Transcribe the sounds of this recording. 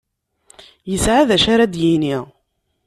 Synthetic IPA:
jəsʕaðæʃaɾad̪jini

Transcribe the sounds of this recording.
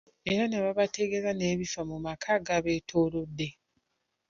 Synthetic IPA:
eɾaneβaβateɡe̞zaneːβifamumakʰaɡaβe̞ːtʰoːlodːe̞

